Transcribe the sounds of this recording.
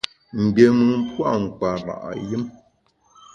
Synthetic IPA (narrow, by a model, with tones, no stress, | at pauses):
ŋ̩˨ɡe˨mɨ˨m̩˦pwa˦˨ŋ̩˨k͡pa˨ɾa̰˨ʔji˦m